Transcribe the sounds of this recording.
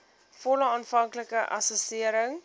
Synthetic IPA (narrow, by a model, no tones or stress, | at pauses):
fɔləɑːnfɐŋkləkəʔɐ̰sɔsiəɾəŋ